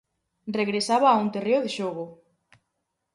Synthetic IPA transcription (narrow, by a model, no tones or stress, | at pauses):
reɣɾesaβaːunt̪ereoðɪʃoɣo